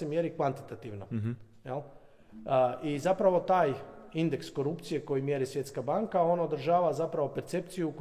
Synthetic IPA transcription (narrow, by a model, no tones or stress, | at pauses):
emjeɾikʋant̪i̥t̪at̪iʋno̰ | jel | izapɾaʋo̞t̪aːjind̪eksko̞ɾupt̪sije̞ko̞jimje̞ɾisʋje̞t̪skabaŋkao̞naod̪ɾ̩ʒaːʋazapɾaʋo̞pe̞ɾt̪se̞p̚t̪sijuk